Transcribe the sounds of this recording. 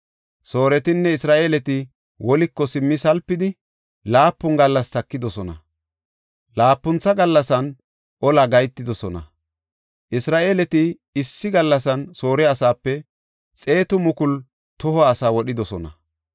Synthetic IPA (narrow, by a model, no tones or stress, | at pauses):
so̞ːɾɛt̪ɪnːɛɪsɾaːʔeːlɛt̪ɪ | wɔlɪkːɔsɪmːɪsɐlpːɪd̪ɪ | laːpːʊŋɡɐlːɐst̪ɐkːɪd̪ɔsɔnɐ̰ | laːpːʊnt͡sːɐɡɐlːɐsɐn | ʔɔlɐɡɐjt̪ːɪd̪ɔsɔnɐ̰ | ʔɪsɾaːʔeːlɛt̪ɪː | sːɪɡɐlːɐsɐnso̞ːɾɛɐsaːpːɛ | t͡sʼe̞ːt̪ʊmʊkʊl | t̪ɔhɔːsaːwɔɗɪd̪ɔsɔnɐ̰